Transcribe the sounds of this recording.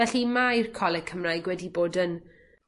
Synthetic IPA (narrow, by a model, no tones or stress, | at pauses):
ɛɬimajrkʰɔlˠɛkʰəmrajɡwɛdiboːdən